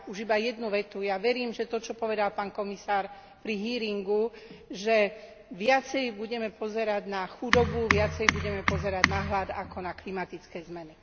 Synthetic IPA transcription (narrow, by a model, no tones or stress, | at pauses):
uʒibajɛd̪nuʋɛt̪ujaʋɛɾiːmʒɛt̪ɔt͡ʃɔpɔʋɛd̪alpaːnkɔmisaːɾ | pɾiɦiːɾiŋɡuʒɛ | ʋɪat͡sɛjbuɟɛmɛpɔzɛɾaɟnaxud̪ɔbuʋɪat͡sɛjbuɟɛmɛpɔzɛɾaɟnaɦlad̪akɔnaklimat̪it͡skɛːzmɛni